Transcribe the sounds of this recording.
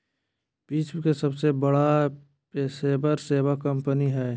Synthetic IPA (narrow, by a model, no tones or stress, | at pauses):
piːt͡ʃkesɐbsebəɽa | peseːbəɾseːʋakə̃mpəniɦɛː